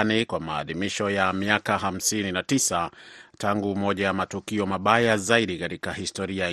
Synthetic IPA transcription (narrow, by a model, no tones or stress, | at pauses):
nikwamaːðimiʃɔjamiakaɦam̩sininatisataŋɡumɔʄajamatukiɔmaɓajazaiɗikatikahistɔɾia